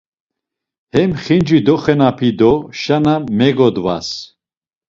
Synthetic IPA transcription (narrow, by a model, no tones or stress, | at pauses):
hɛmχind͡ʒid̪ɔχɛnapʰid̪ɔʃanamɛɡɔd̪va̰s